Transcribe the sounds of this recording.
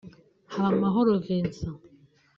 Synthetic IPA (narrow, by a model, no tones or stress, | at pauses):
hamaɦoɾoviːnsa